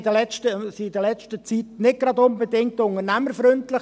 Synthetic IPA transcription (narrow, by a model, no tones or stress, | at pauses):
d̥əlɛt͡ʃtəsiɪdəlɛt͡ʃtət͡sitnɪt̚ɡ̥ɾɑdʊnbədɪŋk̚tʊŋəɾnæməɾfɾʏntlɪ